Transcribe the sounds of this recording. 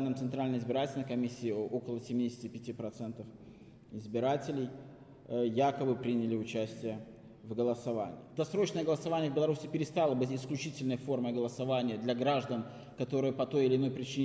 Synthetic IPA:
nːəmt̪sɨnt̪ɾalʲnəjɪzbʲɪɾatʲɪlʲnəjkɐmʲisʲːɪːo̞kəlˠəsʲɪmʲidʲɪsʲtʲɪpʲɪtʲipɾɐt̪sɛnt̪əf | ɪzbʲɪɾatʲɪlʲɪj | jakəbɨpɾʲinʲɪlʲɪʊt͡ɕæsʲtʲɪjə | vɡəlˠəsɐva̰nʲɪ̰ːɪd̪ɐsɾo̞t͡ɕnəjəɡəlˠəsɐvanʲɪjəvbɪlˠɐɾusʲɪpʲɪɾʲɪst̪alˠəbɨtʲɪsklʲʉt͡ɕitʲɪlʲnəjəfo̞rməjɡəlˠəsɐvanʲɪjəd̪lʲɐɡɾaʐd̪ən | kɐt̪o̞ɾɨjəpɐt̪o̞jɪlʲɪno̞jpɾʲɪt͡ɕinʲ

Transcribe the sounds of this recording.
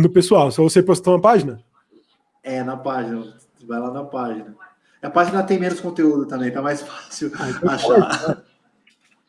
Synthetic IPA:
nʊpesuawsɔvosepost̪aũmɐpaʒinɐ | ɛnɐpaʒinɐ | vajlanɐ̃ɐpaʒinɐ | ɐpaʒinɐt̪ẽj̃mẽnʊskõnt̪eud̪ʊt̪ɐ̃mbẽj̃t̪ɛmajsfasiwaʃa

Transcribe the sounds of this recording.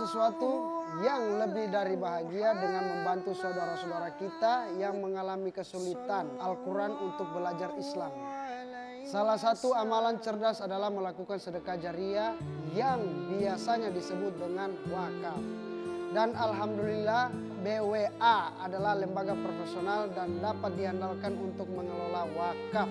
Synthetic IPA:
səsuat̪ujaŋləbɪhdaɾibaɦaɡiadəŋanməmbant̪usaudaɾasodaɾakit̪ajaŋməŋalamikəsulit̪analkuɾanunt̪ʊk̚bəlad͡ʒarislam | salahsat̪uamalant͡ʃərdasadalahməlakukansədəkad͡ʒaɾiajaŋbiasaɲadisəbʊt̪̚dəŋanwakaf | danalɦamdulilah | beweaadalahlɛmbaɡapɾofesionaldandapat̪̚diɦandalkanunt̪ʊk̚məŋəlalawaka

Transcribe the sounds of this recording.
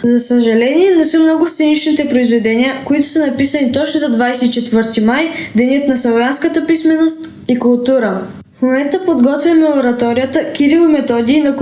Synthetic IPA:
zɐsəʒɐlɛniɛnɛsəmnɔɡʊst̪sɛnit͡ʃnit̪ɛpɾoizvɛd̪ɛniəkoit̪ʊ̥sənɐpisɐnit̪ɔt͡ʃnʊzɐd̪vajsɛit͡ʃɛt̪vɤɾt̪imajd̪ɛnʲət̪nɐsˠovjanskət̪əpismɛnost̪ | ikʊlˠt̪uɾə | fmomɛnt̪əpod̪ɡɔt̪vʲjɐmɛoɾɐt̪ɔɾijət̪əkʲiɾilˠomɛt̪ɔd̪iːnɐk

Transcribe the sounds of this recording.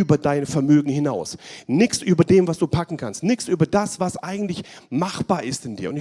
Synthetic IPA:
yːbɐdaɪnfɛɐmøːɡŋ̩hɪnaʊsnɪksʔyːbɐdeːmvasd̥uːpʰakŋ̩kʰanstnɪçsʔyːbɐdasv̥asʔa̰ɪɡŋ̩tlɪç | maχb̥aːɐʔɪstɪndiːɐʊntɪ

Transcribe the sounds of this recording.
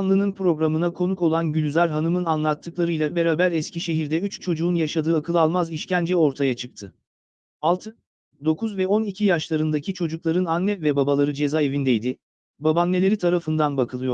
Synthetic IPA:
nˠɯnɯnpɾo̞ɡɾamɯnakʰo̞nuko̞lˠanɟylʲyzʲæɾɦanɯmɯnanlˠat̪ʰːɯklˠaɾɯjlˠabe̞ɾaːbæɾɛsciʃe̞ɦiɾd̪ɛyt͡ʃt͡ʃʰo̞d͡ʒuːnjaʃad̪ɯːakʰɯlˠɯalˠmaziʃcænd͡ʒɛo̞ɾt̪ʰajat͡ʃʰɯk̚t̪ʰɯ | alˠt̪ʰɯ | d̪o̞kʰuzvɛo̞nicʰijaʃlˠaɾɯnd̪acʰit͡ʃʰo̞d͡ʒuklˠaɾɯnanːɛvɛbabalˠaɾɯd͡ʒe̞zae̞vind̪ejd̪ɪ | babanːʲe̞lʲe̞ɾit̪ʰaɾafɯnd̪anbakʰɯlˠɯjo̞ɾ

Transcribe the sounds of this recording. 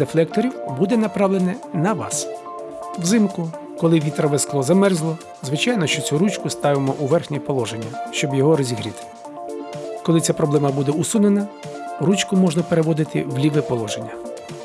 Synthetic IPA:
d̪eflˠɛk̚t̪ɔɾʲiwbud̪ɛnɐpɾɑwlenɛnɐʋɑ̰s | wzɪmkʊ | kɔlˠɪʋʲit̪ɾɔʋesklˠɔzɐmɛrzlˠɔ | zʋɪt͡ʃɑjnɔʃt͡ʃɔt͡sʲuɾut͡ʃkʊst̪ɑʋemɔʔuʋɛrxnʲipɔlˠɔʒenʲːɐʃt͡ʃɔbjɔɦɔɾɔzʲiɦɾʲit̪ɪ̥ | kɔlˠɪt͡sʲapɾɔblˠɛmɐbud̪ɛusunenɐ | ɾut͡ʃkʊmɔʒnɐpeɾeʋɔd̪ɪt̪ɪwlʲiʋɪpɔlˠɔʒenʲːɐ

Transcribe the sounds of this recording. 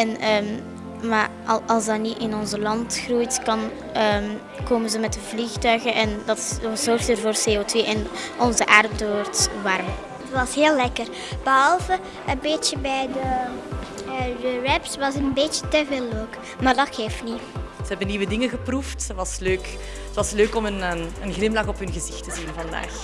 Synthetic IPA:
ɛnəːm | maːr | ʔɑlˠsdɑtniʔɪnɔnzəlɑntxrujtkɑn | əːm | koːmənzəmɛtəvlixtœɥɣənʔɛndɑtzɔrxtərvoːrseːoːtʋeːʔɛnɔnzəʔaːrdoːrtʋɑrm | tʋɑsɦeːllɛkər | b̥əɦɑlˠvə | ənbeːtt͡ʃəbɛjdə | dəɹɛpsʋɑsənbeːt͡ʃətəveːlːoːk | maːrdɑtxefniz̥əɦɛbənːiʋədɪŋəɣəpruftəʋɑsløːk | ətʋɑsløːkɔmənəənɣlɪmlɑxɔpɦɵnɣəzɪxtəzinvɑnda̰ːx

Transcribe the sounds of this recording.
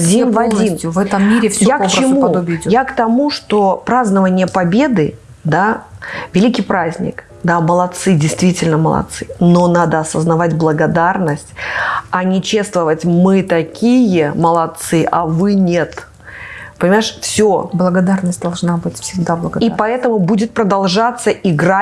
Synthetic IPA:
dʲinvɐdʲinvɛt̪əmːiɾʲɪfsʲjakt͡ɕɪmuɐd̪obʲɪɪdʲojakt̪ɐmuʂt̪o̞pɾaznəvənʲɪjəpɐbʲe̞d̪ɨ | d̪avʲɪlʲikʲijpɾazʲnʲɪ̰k | d̪aməlˠɐt̪sɨdʲɪjst̪vʲitʲɪlʲnəməlˠɐ̰t̪sɨno̞nad̪əɐsəznɐvatʲblˠəɡɐd̪arnəsʲtʲɐnʲɪt͡ɕest̪vəvətʲmɨt̪ɐkʲʰijəməlˠɐt̪sɨʔavɨnʲet̪ | pənʲɪmaɪʂfsʲoblˠəɡɐd̪arnəsʲt̚ʲd̪ɐlˠʐnabɨtʲfsʲɪɡ̚d̪ablˠəɡipɐɛt̪əmʊbudʲɪt̪̚pɾəd̪ɐlˠʐat̪sːəʔɪɡɾa

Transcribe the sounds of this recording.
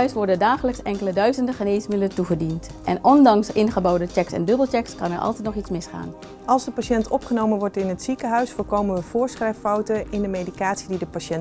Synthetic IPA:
œɥsʋɔɹdəndaːχələksɛŋkələdœɥzəndəχəneːsmɪdələtuχədintʔɛ̰nʔɔndɑŋsɪnχəbɔwdət͡ʃɛksɛ̰ndɵbəlˠt͡ʃɛkskɑnɛ̰ɹʔɑ̰lˠtɛjtnɔχitsmɪsχa̰ːn | ɑlˠzdəpaʃɛntɔpχənowmənʋɔɹtɪnɦətsikəɦœɥsfʊːɹkowmənʋəv̥ʊːɹsχrɛjffɑwtənɪndəmejdikaːtsididəpaʃɛn

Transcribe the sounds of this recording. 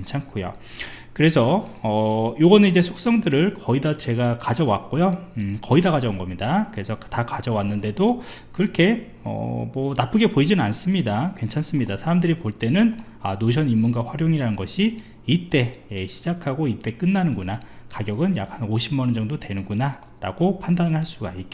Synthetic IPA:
kent͡ɕʰankʰojo̰ | kɯɾe̞sʰʌʌjoɡʌnɯnid͡ʑe̞sʰok̚s͈ʌŋdɯɾɯɭkʌidat͡ɕe̞ɡakad͡ʑʌwak͈̚ojokʌidakad͡ʑʌunɡʌmɲidakɯɾe̞sʰʌtakad͡ʑʌwanːɯnde̞do | kɯɾʌkʰe̞ | ʌ̰mwʌnap͈ʰɯɡe̞poid͡ʑinɯnans͈ɯmɲidakwe̞nt͡ɕʰans͈ɯmɲidasʰaɾamdɯɾipoɭt͈e̞nɯn | anoɕ̬ʰʌnimːunɡwaɸwaɾjoŋiɾanɯnɡʌɕʰi | it͈e̞eɕʰid͡ʑakʰaɡoit͈e̞k͈ɯnːanɯnɡunakaɡjʌɡɯnja̰k̚hanoɕʰimːʌnɯnd͡ʑʌŋdotwe̞nɯnɡuna | ɾa̰ɡopʰandanɯɭhaɭs͈uɡa̰ik͈̚e

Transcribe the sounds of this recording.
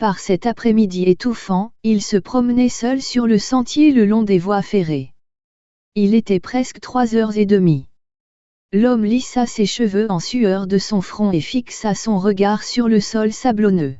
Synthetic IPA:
paʁsɛt̪apχɛmid̪iet̪ufɑ̃ilsəpχɔmnɛsœlsyʁləsɑ̃t̪jeləlɔ̃d̪evwafeʁe | ilet̪ɛpχɛskt̪χwazœʁzed̪əmi | lɔmlisaseʃəvøɑ̃syœʁd̪əsɔ̃fχɔ̃efiksasɔ̃ʁəɡaʁsyʁləsɔlsablɔnø

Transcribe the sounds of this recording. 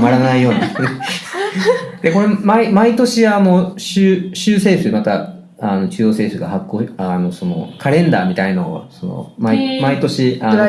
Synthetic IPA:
maɾanaijo̞ːɲ̟ie | d̪̥e̞ko̞ɾe̞maimait̪o̞ɕiano̞ɕɨːɕɨːse̞ːsɨmat̪a | ano̞t͡ɕɨːjo̞ːse̞ːsɨɡahakːoːano̞so̞no̞̰kʰaɾẽ̞nd̪aːmʲit̪ainoso̞no̰maimait̪o̞ɕiʔa

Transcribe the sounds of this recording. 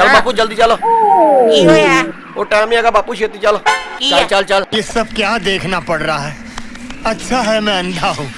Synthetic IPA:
t͡ʃɐlbaːpud͡ʒɐld̪it͡ʃalakiɦo | oːʈaːmĩaɡabaːpuʃeːt̪it͡ʃaːlait͡ʃalt͡ʃalt͡ʃaljesɐb̚kjaːd̪eːkʰnapɐɽɾaɦɛː | ɐtːʃʰaɦɛmɛ̃ɐ̃nd̪ʱaɦũː

